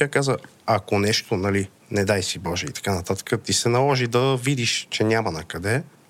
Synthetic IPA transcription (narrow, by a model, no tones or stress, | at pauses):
akazə | akonɛʃt̪onɐli | nɛd̪ajsibɔʒɛit̪ɐ̥kanɐt̪at̪ə̥kət̪isɛnɐlˠɔʒid̪ɐvid̪iʃt͡ʃɛnʲamɐnɐkɐd̪ɛ